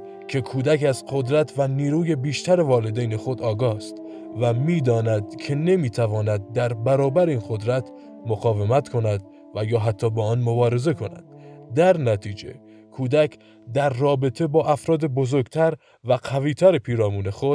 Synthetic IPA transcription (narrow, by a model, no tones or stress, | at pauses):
cʰe̞kʰuːd̪ækæzqo̞d̪ɾæt̪ʰvæniːɾuːje̞biːʃt̪ʰæɾe̞vɒːled̪ejne̞xo̞d̪ɒːɡɒːst̪ | væmiːd̪ɒːnæd̪cʰe̞ne̞miːt̪ʰævɒːnæd̪̚ːæɾbæɾɒːbæɾeinqo̞d̪ɾæt̪ʰ | moɣɒːve̞mæt̪kʰo̞næd̪ | væjɒːɦæt̪ʰːɒːbɒɒːnmo̞bɒːɾe̞ze̞kʰo̞næ̰d̪̥d̪æɾnæt̪ʰiːd͡ʒe̞̰ | kʰuːd̪ækʰ | d̪æɾːɒːbe̞t̪ʰe̞bɒːʔæfɾɒːd̪e̞bo̞zo̞ɾɡt̪ʰæɾ | væqʰæviːt̪ʰæɾe̞pʰiːɾɒːmuːne̞xo̞d̪̥